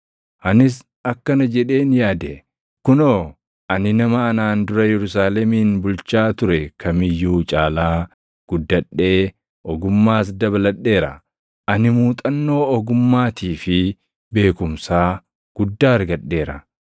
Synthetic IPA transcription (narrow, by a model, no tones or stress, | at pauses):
ʔɐnɪs̬ | ɐkːɐnɐd͡ʒɛᶑe̞ːnjaːd̪ɛ | kʊnoː | ʔɐnɪnɐmɐɐnaːnd̪ʊɾɐjɛɾʊsaːlɛmiːnbʊlt͡ʃaːt̪ʊɾɛkʰɐmɪjːuːt͡ʃʼaːlaː | ɡ̥ʊd̪ːɐᶑːe̞ː | ʔɔɡʊmːaːs̬d̪ɐβɐlɐɗːe̞ːɾɐ̰ | ʔɐnɪmuːt̪ʼɐnːo̞ːɔɡʊmːaːt̪iːfɪ | be̞ːkʊmsaː | ɡ̥ʊd̪ːaːɐɾɡɐᶑːe̞ːɾɐ̰